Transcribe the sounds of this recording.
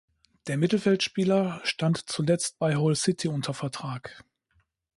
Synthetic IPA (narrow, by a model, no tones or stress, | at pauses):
d̥eːɐmɪtl̩fɛltʃpiːlɐʃtantt͡sulɛt͡st̚b̥aɪɦɔlsɪtʰiʊntʰɐfɛɐtʁ̥aːk